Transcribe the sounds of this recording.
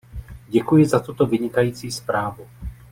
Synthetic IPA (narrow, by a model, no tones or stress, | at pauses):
ɟɛkujɪzat̪ut̪o̞vɪɲɪkajiːt͡siːspɾaːvu